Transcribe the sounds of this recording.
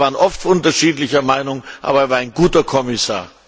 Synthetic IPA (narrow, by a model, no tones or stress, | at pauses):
vaːənʔɔftʔʊntɐʃiːtlɪçɐmaɪnʊŋʔa̰ːbɐɛɐvaːɐaɪnɡuːtɐkʰɔmɪsa̰ːɐ